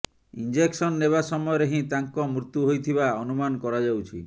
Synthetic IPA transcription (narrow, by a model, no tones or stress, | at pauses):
ḭnd͡ʒeksɔnːeβasɔmɔjɔɾeɦĩt̪aŋkɔmɾut̪juɦojt̪ʰibaɔnumanɔkɔɾad͡ʒawt͡ʃʰḭ